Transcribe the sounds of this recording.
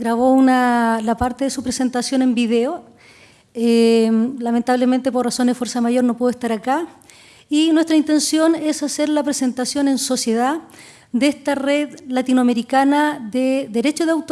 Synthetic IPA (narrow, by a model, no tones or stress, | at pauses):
ɡɾaβounalapaɾt̪eðesupɾese̞nt̪asjo̞ne̞mbiðeo | elament̪aβlement̪epo̞rraso̞nefwe̞ɾsamaʝo̞ɾno̞puðoest̪aɾaka | inwest̪ɾaint̪e̞nsjo̞nesaseɾlapɾese̞nt̪asjo̞ne̞nso̞sjeða | d̪eest̪areðlat̪inoameɾikanaðeðeɾet͡ʃoðeawt̪